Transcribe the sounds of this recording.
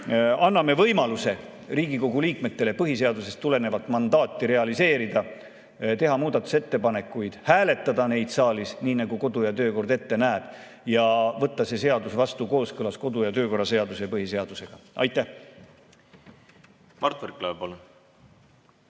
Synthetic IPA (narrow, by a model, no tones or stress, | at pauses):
ɑnːɑme̞vɤjmɑluse̞ | riːɡiko̞ɡ̥uliːkme̞t̪ːe̞le̞pɤɦise̞ɑd̪use̞st̪ːule̞ne̞vɑt̪ːˑmɑnd̪ɑːt̪ːiɾe̞ɑlise̞ːɾid̪̥ɑ | t̪e̞ɦɑmuːd̪̥ɑt̪ːˑu̥se̞t̪ːe̞pɑne̞kːˑujd̪̥hæːle̞t̪ːˑɑd̪̥ɑne̞jd̪̥sɑːlisniːnɑɡuko̞d̪̥ujɑt̪ø̞ːko̞rd̪e̞t̪ːe̞næːb̥ | jɑvɤt̪ːɑse̞se̞ɑd̪usvɑst̪uko̞ːskɤlɑsko̞d̪̥ujɑt̪øːko̞rːɑse̞ɑd̪usepɤɦise̞ɑd̪̥use̞ɡ̥ɑʔɑ̰jt̪ˑːæh | mɑrt̪verklɑpɑlo